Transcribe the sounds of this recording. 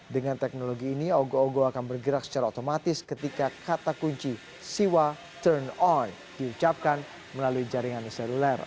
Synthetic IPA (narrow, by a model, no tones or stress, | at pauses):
dəŋant̪ɛk̚noloɡiːnioɡooɡoakanbərɡəɾak̚sə̥t͡ʃaɾaot̪omat̪ɪskət̪ikakat̪akuɲt͡ʃi | siwa | t̪ərnɔn | diut͡ʃap̚kan | məlaluid͡ʒaɾiŋanisɛlulɛr